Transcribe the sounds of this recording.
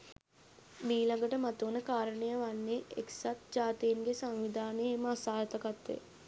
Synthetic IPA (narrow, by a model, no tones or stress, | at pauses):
biːlaŋɡəʈəmat̪uːnəkaːɾənejəʋanːeeksat̪̚d͡ʒaːt̪ijiŋɡesaŋʋid̪ʱaːneeməasaːjt̪əkat̪ːḛ